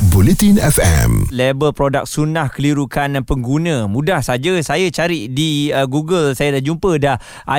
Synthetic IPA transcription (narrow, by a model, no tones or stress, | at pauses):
bulet̪inɛfɛ̰mlebəlpɾodak̚sunahkəliɾukanpəŋɡunə̃mũdahsad͡ʒəsajat͡ʃaɾiʔdiəɡuɡəlsajadad͡ʒumpədah | ʔa